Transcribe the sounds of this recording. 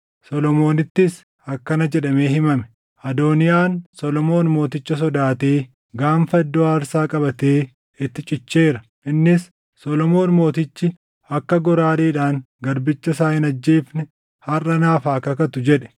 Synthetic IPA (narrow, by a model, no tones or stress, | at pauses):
sɔlɔmo̞ːnɪt̪ːɪs | ɐkːɐnɐd͡ʒɛᶑɐme̞ːhɪmɐmɛ̥ | ʔɐd̪oːnɪjaːnsɔlɔmo̞ːnmo̞ːt̪ɪt͡ʃːɐs̬ɔd̪aːt̪eː | ɡaːnfɐɛd̪ːɔaːɾsaːkʼɐbɐt̪eː | ɪt̪ːɪt͡ʃʼɪt͡ʃːe̞ːɾɐ | ʔɪnːɪsː | ɔlɔmo̞ːnmo̞ːt̪ɪt͡ʃːɪ | ɐkːɐɡɔɾaːleːᶑaːŋ | ɡɐɾbɪt͡ʃːɐsaːɪnɐd͡ʒːeːfnɪ | hɐrʔːɐnaːfaːkɐkɐt̪ʊd͡ʒɛᶑɛ̥